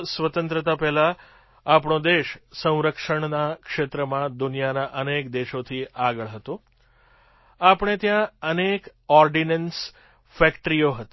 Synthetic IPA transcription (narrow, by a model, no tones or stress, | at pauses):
sʋət̪ə̃nt̪ɾət̪apɛɦla | apɳod̪eʃsə̃w̃ɾəkʂəɳnakʃet̪ɾəmãd̪unijanaʔənekd̪eʃot̪ʰiaɡəɭɦət̪o | apɳ̃et̪jãənek | ɔɾɖinəns | fɛkʈɾijoɦət̪